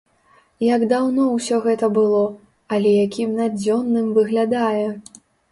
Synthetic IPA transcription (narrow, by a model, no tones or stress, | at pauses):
jɐɡd̪awnɔwsʲɔɣɛt̪ɐbɨlˠɔ | ɐlʲɛjakʲʰimnad͡zʲɔnːɨmvɨɣlʲad̪ajɛ